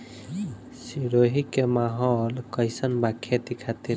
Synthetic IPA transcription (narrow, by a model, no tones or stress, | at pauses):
siɾoɦikemaɦɔlkəjsənbakʰet̪ikʰat̪i